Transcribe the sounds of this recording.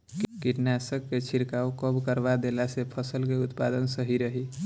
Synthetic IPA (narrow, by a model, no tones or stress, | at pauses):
kiʈnasəkːet͡ʃʰiɾkaokəbʱkəɾbad̪elasepʰəsəlkeut̪pad̪ənsəɦiɾəɦi